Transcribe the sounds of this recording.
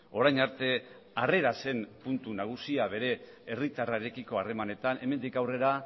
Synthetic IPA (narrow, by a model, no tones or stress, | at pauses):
o̞ɾajɲaɾt̪e̞ | are̞ɾase̞mpunt̪unaɣ̞usiaβe̞ɾe̞ː | rit̪araeɾe̞kiko̞are̞mane̞t̪ane̞me̞nd̪ikawre̞ɾa